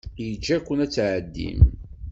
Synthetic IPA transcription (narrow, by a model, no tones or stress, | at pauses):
jəd͡ʒːækʷːənæt͡sːʕəd̪ːḭm